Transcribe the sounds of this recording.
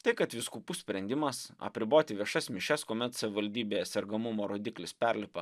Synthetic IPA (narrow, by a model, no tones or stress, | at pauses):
t̪ɐɪkɐt̪ʋʲɪskupuːsʲpʲɾʲɛnʲd̪ʲɪmɐsɐ̰pʲɾʲɪboːt̪ʲɪʋʲiɛʃɐsʲmʲɪʃʲɛskoːmʲɛt̪sɐʋʲɪʋɐlʲd̪ʲiːbʲeːɛsʲɛɾɡɐmʊmoːɾoːd̪ʲɪklʲɪspʲɛɾʲlʲɪpɐ